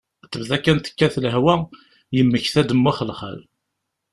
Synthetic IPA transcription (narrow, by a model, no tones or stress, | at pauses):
θəvðækːænt̪ə̥kːæθləɦwæ | jəmːəçθæd̪əmːwaχəlχə̰l